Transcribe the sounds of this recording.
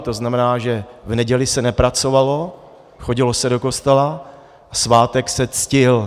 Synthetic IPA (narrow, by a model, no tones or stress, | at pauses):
t̪oznamɛnaːʒɛvnɛɟɛlɪsɛnɛpɾat͡so̞valo̞ | xoɟɪlosɛdo̞ko̞st̪ɛla | asvaːt̪ɛksɛt͡scɪl